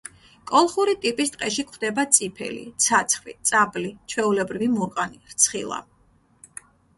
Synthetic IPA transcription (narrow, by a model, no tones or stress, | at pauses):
kʼɔlˠχuɾit̪ʼipʼist̪ʼqʼɛʃikʰχʰwd̪ɛbat̪sʼipʰɛ̰lḭt̪sʰat̪sʰχvḭt̪sʼablit͡ʃʰwɛulɛbɾivimuɾqʼaniɾt̪sʰχḭlˠa̰